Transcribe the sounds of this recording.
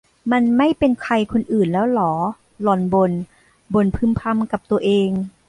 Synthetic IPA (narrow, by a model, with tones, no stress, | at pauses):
ma˧nma˥˩jpe˧nkʰa˧jkʰo˧nʔɯː˨˩nlɛː˦˥wlɔː˩˦ | lɔ˨˩nbo˧n | bo˧npʰɯ˧˥mpʰa˧mka˨˩p̚t̪u˧ɐʔeː˧ŋ